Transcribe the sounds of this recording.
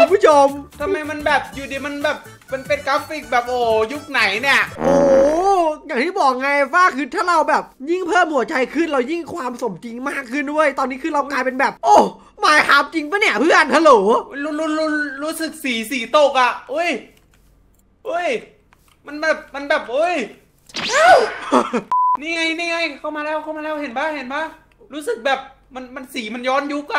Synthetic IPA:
ɯ˧mpʰu˦˥˩o˧mt̪ʰa˧mːa˧jma˧nbɛː˨˩p̚juː˨˩diː˧ma˧nbɛː˨˩p̚ːa˧npe˧nka˦˥fi˧˩k̚bɛː˨˩p̚ʔoː˨˩ju˦˥k̚na˨˩˦jni˥˩ɐʔʔoː˨˩ | jaː˨˩ŋt̪ʰiː˥˩bɔː˨˩k̚ŋa˧jfaː˥˩kʰɯː˧˩t̪ʰaː˥˩ɾa˧wbɛː˨˩p̚ji˥˩ŋpʰɤː˥˩mhu˨˩˦ɐt͡ɕa˧jkʰɯ˥˩nɾa˧wji˥˩ŋkʰwaː˧mso˨˩˦mt͡ɕi˧ŋmaː˥˩kʰːɯ˥˩ndu˥˩əjt̪ɔː˧nːiː˦˥kʰɯː˧ɾa˧wklaː˧jpe˧nbɛː˨˩p̚ʔoː˧˩ | maː˨˦jkʰaː˨˦m̚t͡ɕi˧ŋpa˧˥ni˧˩ɐpʰɯ˥˩ənhʰa˧loː˩˦m˧uː˦˥lu˧˥luː˧˥ɾuː˦˥sɯ˨˩k̚siː˨˩˦siː˨˩˦t̪o˧˩k̚a˨˩ʔɤ˧˥˩j | ʔɤ˧˥˩j | ma˧nbɛː˨˩p̚ma˧nbɛː˨˩p̚ʔɤ˧˥˩j | ʔaː˧˥w | niː˧˥˩ŋa˧jniː˥˩ŋa˧jkʰa˧˥˩wmaː˧lɛː˧˥˩wkʰa˥˩wmaː˧lɛː˦˥˩whe˨˩˦nbaː˥˩ŋhe˨˩˦nbaː˦˥˩ | ɾuː˦˥sɯ˨˩k̚bɛː˨˩p̚ | ma˧nma˧nsiː˩˦ma˧njɔː˦˥nju˦˥k̚a˧

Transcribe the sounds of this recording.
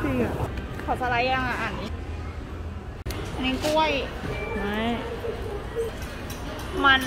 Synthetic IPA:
i˧a˨˩ | kʰa˨˩sa˧la˧˥ja˧ŋa˧˩ʔaː˨˩ni˦˧ | ni˧˦nku˥˩əj | a˦˥˩j | ma˧n

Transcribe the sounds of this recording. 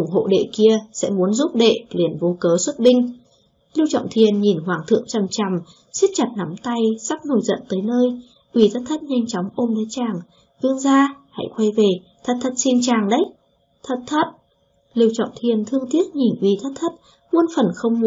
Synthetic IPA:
ʔʊ˧˩ŋ͡mɦo̰˧˨ɗḛ˧˨ki˧əsɛ̰˧˥mu˨˦ənzu˦˥p̚ɗḛ˧˨li˨˩ənvo˨˦kəː˨˦swə˦˥t̚ɓï˧ŋ̟ | li˧əwt͡ɕɔ̰˧˨wŋ͡mt̪ʰi˨˩ənɲi˨˩nɦwaː˨˩ŋt̪ʰɨ̰˧˨əŋt͡ɕa˨˩mt͡ɕa˨˩m | si˦˥t̚t͡ɕa˨˩t̚na˨˦mt̪a˧jsa˦˥k̚no˨˩jzə̰˧˨nt̪əː˨˦jnəː˧j | ʔwi˧˩t̪ʰə˦˥t̚t̪ʰə˦˥t̚ɲa˧jŋ̟t͡ɕɔ˨˦wŋ͡mʔo˧mɗə˨˦t͡ɕaː˨˩ŋ | ɗɨ˧əŋzaː˧ha̰˧˥jxwa˧jve˨˩ | t̪ʰə˨˦˩t̚t̪ʰə˦˥t̚si˧nt͡ɕaː˨˩ŋɗə˨˦j | t̪ʰə˧˩t̚t̪ʰə˦˥t̚ | li˧əwt͡ɕɔ̰˧˨ŋ͡mt̪ʰi˨˩ənt̪ʰɨ˧əŋt̪i˦˥ət̚ɲi˨˩nʔwi˨˩t̪ʰə˦˥t̚t̪ʰə˦˥t̚ | mu˧ənfə˨˩nxə˧wŋ͡mm˧

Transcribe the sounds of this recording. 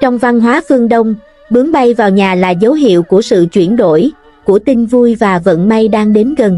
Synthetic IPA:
t͡ɕɔ˧wŋ͡mva˧nɦwaː˨˦fɨ˧əŋɗə˧wŋ͡m | ɓɨ˨˦əŋɓa˧jvaː˨˩wɲaː˨˩laː˨˩zə˨˦wɦḭ˧˨əwku˧˩əsɨ̰˧˨t͡ɕwi˧˩ənɗo̰˧˩˨j | ku˧˩ət̪i˧ŋvu˧jvaː˨˩və̰˧˨nma˧jɗaː˧ŋɗe˨˦nɣə˨˩n

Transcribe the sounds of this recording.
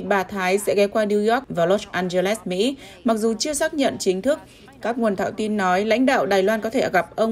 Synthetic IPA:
ɓaː˨˩t̪ʰaː˨˦jsɛ̰˧˥kɛ˨˦wkwaː˧ni˧zɔ˦˥k̚vaː˨˩lɔ˦˥ʔaː˧nzə˧lɛ˦˥smḭ˧˥ma˨˩k̚zu˨˩t͡ɕɨ˧əsaː˦˥k̚ɲə̰˧˨nt͡ɕï˨˦ŋt̪ʰɨ˦˥k̚ | kaː˦˥k̚ŋu˨˩ənt̪ʰa̰ː˧˨wt̪i˧nːɔ˨˦jla̰˧˥jŋ̟ɗa̰ː˧˨wɗaː˨˩jlwaː˧nkɔ˨˦t̪ʰe˧˩ɣa˨˩p̚ʔə˧wŋ͡m

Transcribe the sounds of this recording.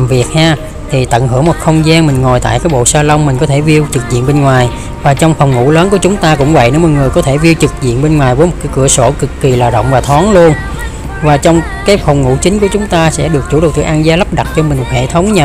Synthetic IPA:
mvi˨˩ət̚haː˧ | t̪ʰi˨˩t̪ə̰˧˨nɦɨ̰˧˩əmo˨˩t̚xə˧wŋ͡mzaː˧nmï˨˩ŋ̟ŋo˨˩jt̪a̰ː˧˨jkaː˨˦jɓo̰˧˨saː˧lə˧wŋ͡mmï̟˨˩kɔ˨˦t̪ʰe˧˩vi˧ə˧wt͡ɕɨ˨˩k̚zḭ˧ənɓe˧nŋwaː˨˩j | vaː˨˩t͡ɕɔ˧wŋ͡mfwŋ͡mŋṵ˧˥ləː˨˦nku˧˩ət͡ɕʊ˨˦ŋ͡mt̪aː˧kʊ̰˧˥ŋ͡mvə̰˧˨jne˨˦wmɔ˨˩ŋɨ˨˩əjkɔ˨˦t̪ʰe˧˩vi˧əwt͡ɕɨ˨˩k̚zḭ˧˨ənɓe˧nŋwaː˨˩jvəː˨˦jmo˨˩t̚kaː˨˦jkɨ˧˩əso˧˩kɨ˨˩kːi˨˩laː˨˩ɗə̰˧˨wŋ͡mvaː˨˩t̪ʰɔ˨˦nlu˧ən | vaː˨˩t͡ɕɔ˧wŋ͡m | kaː˨˦jfɔ˨˩wŋ͡mŋṵ˧˥t͡ɕï˨˦ŋ̟ku˧˩ət͡ɕʊ˨˦ŋ͡mt̪aː˧sɛ̰˧˥ɗɨ˨˩ək̚t͡ɕu˧˩ɗ̚t̪ɨ̰˧˩ʔaː˧nzaː˨˦lə˦˥p̚ɗa˨˩t̚t͡ɕɔ˧mï˨˩ŋ̟m˨˩t̚hḛ˧˩˨t̪ʰə˨˦wŋ͡mɲa˨˩

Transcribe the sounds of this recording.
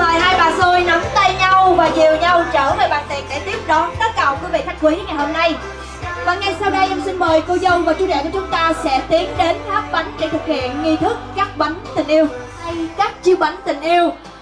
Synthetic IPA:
ɓaː˨˩jhaː˧jɓa̰ː˨˩zo˧jna˨˦mt̪ə˧jɲa˧wvaː˨˩zi˨˩əwɲa˧wt͡ɕəː˧˩məː˧˩jɓa̰ː˨˩nt̪i˨˩ənɗe˧˩t̪i˦˥əp̚ɗɔ˨˦k̪əː˦˥k̚kə˨˩wkəː˨˦vḭ˧˨t̪ʰa˦˥jŋ̟kwi˨˦ŋa˨˩jho˧mna˧j | ɓa̰ː˨˩nŋa˨˩jsa˧wɗə˧jʔa˧wŋ͡msï˧ŋ̟məː˨˩jkə˧wzə˧wvaː˨˩t͡ɕu˨˦ɗɛ̰˧˨˩ku˧˩t͡ɕʊ˨˦ŋ͡mt̪aː˧sɛ̰˧˥t̪i˨˦ənɗe˨˦nfaː˦˥k̚ɓa˨˦jŋ̟ɗe˧˩t̪ʰɨ˨˩k̚hḭ˧˨ənŋi˧t̪ʰɨ˦˥k̚ːaː˦˥k̚ɓa˨˦ŋt̪ï˨˩ŋ̟ʔi˧əw | kaː˦˥k̚t͡ɕi˨˦wɓa˨˦jŋt̪ï˨˩ŋ̟ʔi˧əw

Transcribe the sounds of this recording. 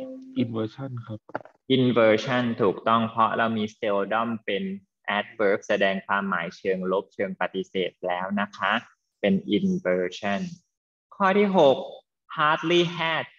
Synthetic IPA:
ʔi˧nwəː˧t͡ɕʰa˥˩nkʰa˦˥p̚ʔi˧nfɤː˧t͡ɕʰa˥˩nt̪ʰuː˨˩k̚t̪ɔ˥˩ŋpʰɾɔ˦˥ɾa˧wmiː˧st̪e˧wdɔ˥˩mpe˧n | ʔɛː˦˥t̪̚wɤː˦˥k̚sa˧dɛː˧ŋkʰwaː˧mːa̰ː˩˦jt͡ɕʰɤː˧ŋlo˦˥p̚t͡ɕʰɤː˧ŋpa˨˧t̪i˧˥seː˨˩t̪̚lɛː˦˥wna˦˥kʰa˦˥ʔ | pe˧nʔi˧nfɤː˧t͡ɕʰa˥˩n | kʰːɔː˥˩t̪ʰiː˥˩ɦo˨˩k̚ | hʰaː˦˥t̪̚liː˥˩hɛː˥˩t̪̚

